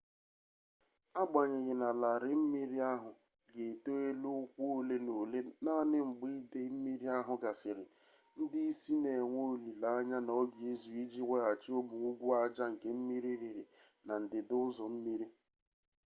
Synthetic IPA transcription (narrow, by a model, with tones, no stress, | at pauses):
a˦ɡ͡ba˨ɲɪ˨ɣɪ˨na˨la˨ɾɪ˨m̩˦mi˦ɾi˦a˦ɦʊ˨ | ɡe˨to˦e˦lu˦ʊ˦kʷo˦le˦no˨le˦na˦nɪ˦ŋ͡m̩˨ɡ͡bi˦de˦m̩˦mi˦ɾi˦a˦ɦʊ˨ɡa˨sɪ˨ɾɪ˨ | n̩˦dɪ˦i˦si˦ne˨ŋʷo˦li˨la˨a˦ɲa˦nɔ˦ɡi˨e˦zu˨i˦d͡ʒi˦ŋʷe˦a˨t͡ʃɪ˦o˦bʊ˨ŋu˦ɡʷu˦a˦d͡ʒa˦ŋ̩˨ke˦m̩˦mi˦ɾi˦ɾi˨ɾɪ˨ | na˨n̩˨dɪ˨dʊ˦ʊ˦zɔ˨m̩˦mi˦ɾi˦